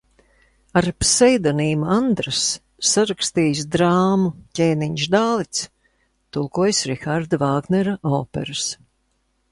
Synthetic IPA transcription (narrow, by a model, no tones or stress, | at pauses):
aɾpsɛjd̪aniːmuand̪ɾasː | aɾakst̪iːjsd̪ɾaːmucʲɛːniɲʃd̪aːlˠit̪s | t̪ulˠkuɔjsɾixaɾd̪avaːɡnɛɾaɔːpɛ̰ɾɨs